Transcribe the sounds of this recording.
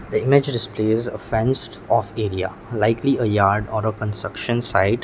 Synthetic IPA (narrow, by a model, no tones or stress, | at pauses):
d̪əɪmɪd͡ʒɖɪspleːzəfɛ̃nsʈɔfeːɾia̰ | laɪkʰliəjaːɾɖɔːɾəkə̃nsʈɾʌkʃə̃nsaɪɖ